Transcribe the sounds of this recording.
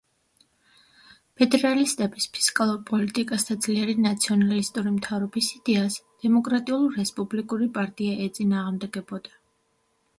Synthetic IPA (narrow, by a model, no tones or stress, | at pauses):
pʰɛd̪ɛɾalist̪ʼɛbispʰi̥skʼalˠuɾpʼɔlit̪ʼikʼasd̪ad̪z̥liɛɾinat̪sʰiɔnalist̪ʼuɾimt̪ʰavɾɔbisid̪ɛasd̪̥ɛmɔkʼɾat̪ʼiulˠːɛspʼublikʼuɾipʼaɾt̪ʼiaʔɛt̪sʼinaːʁmd̪ɛɡɛbɔd̪̥a